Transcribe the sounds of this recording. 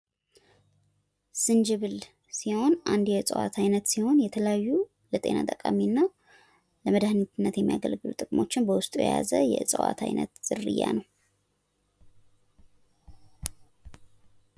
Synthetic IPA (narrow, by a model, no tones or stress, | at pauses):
sɨnd͡ʒɨβɨl | siho̞nʔand̪jɛt͡sʼə̰wa̰t̪ʰajnət̪siho̞njɛt̪ʰələjajːu | lət̪ʼe̞nat̪ʼəkʼaminːa | ləməd̪ahnit̪ʰɨnːət̪jɛmːijaɡəlɡɨlut̪ʼɨkʼmo̞t͡ʃːɪnbəwʊst̪ʼujɛ̰jazəjɛɨsʼəwa̰t̪ʰajnə̰t̪z̥ɨrɨjːanəw